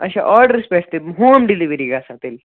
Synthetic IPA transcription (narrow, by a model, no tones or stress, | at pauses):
ɐʃa̰ʔɔɾɖəɾspeʈʰt̪eɦoːmɖiliʋɾiɡasat̪el